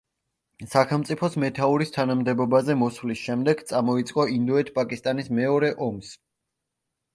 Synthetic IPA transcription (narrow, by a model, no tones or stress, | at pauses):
saχɛlˠmt̪sʼipʰɔsmɛt̪ʰauɾist̪ʰanamd̪ɛbɔbazɛmɔsvlisʃɛmd̪ɛɡt̪sʼamɔit̪sʼqʼɔind̪ɔɛt̪ʰpʼakʼist̪ʼanismɛɔɾɛʔɔms